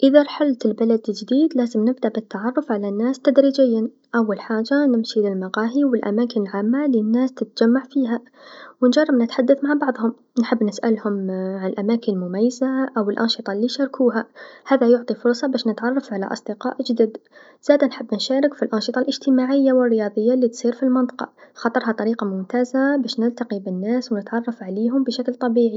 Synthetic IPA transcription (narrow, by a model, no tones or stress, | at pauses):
ʔɪðaɾˤħalt̪ɪlbalad̪ld͡ʒd̪iːd̪laːzɪmnɪbd̪aʕbɪt̪ːaʕɑrˤːʊfʕalanːaːst̪ad̪ɾiːd͡ʒɪjːan | ʔawːalħaːd͡ʒanɪmʃilɪlmɑqɑːɦiwɪlʔa̰maːkɪnɪlʕaːmːalinːaːst̪ɪt̪d͡ʒamːaʕfiːɦa | wɪnd͡ʒɑrˤːɑbnɪt̪ħad̪ːaθmaʕbɑʕðˤhʊm | nħɪbːnɪsʔalhʊmʕanɪlʔamaːkɪnɪlmʊmajːazaʔawɪlʔɑnʃɨt̪ˤɑlːiːʃɑɾˤkʰuːɦahaːðajʊʕt̪ˤifʊɾsˤɑbaːʃnɪt̪ʕɑrˤːɑfʕala̰ʔɑ̰sˤd̪ɪqɑ̰ːʔd͡ʒd̪id̪ | z̥aːd̪anħɪbːnʃaːɾɪkfilʔɑnʃɨt̪ˤɑlʔɪʒt̪ɪmaːʕɪjːawɪrːɪjɑːðˤəjːalːiːt̪sˤiːɾfilmɑnt̪ˤɑ̥qɑ̰xɑt̪ˤɑɾˤɦɑt̪ˤɑɾiːqɑmʊmt̪aːzabaːʃnɪlt̪aqibɪnːaːswnɪt̪ʕɑrˤːɑfʕaleːɦʊmbɪʃaklt̪ˤɑbiːʕi